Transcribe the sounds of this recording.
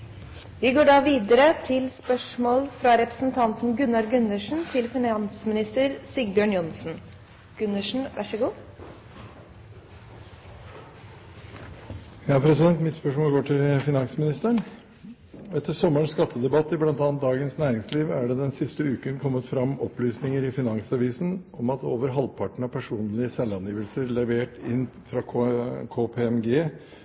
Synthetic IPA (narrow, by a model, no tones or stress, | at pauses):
ʋɪɡoːɖɑːʋiːd̪əɾət̪ʰɪlspœʂmoːlfɾɑɾɛpɾə̥sn̩t̪ʰɑnt̪n̩ɡʉnːɑɾɡʉnəʂn̩t̪ʰɪlfɪnɑnsmɪnɪst̪əɾsɪɡbjøːɳjʊnsn̩ | ɡ̥ʉnəʂn̩ʋʔɑ̰ʂəɡuː | jɑːpʰɾɛsɪd̪ɛnt̪mɪt̪spœʂmoːlɡoːʈʰɪlfɪnɑnsmɪnɪst̪əɳ | ɛt̪ʰːəsɔməɳskɑt̪ʰːəd̪ɛbɑt̪ːɪblɑnt̪ɑːɑnt̪̚d̪ɑːɡənsnæːɾɪŋsliːʋæɖɛd̪ɛnsɪst̪əʉːkənkʰɔmːət̪fɾɑmːɔplyːsnɪŋəɾɪfɪnɑŋsɑʋiːsn̩ʔɔmɑt̪o̰ːʋəɾɦɑlpʰɑʈɳ̩ɑpʰæʂuːnlɪəsɛlːɑnjiːʋəlsəɾlɛʋeːʈɪnːfɾɑkʰoːpʰeːɛmɡeː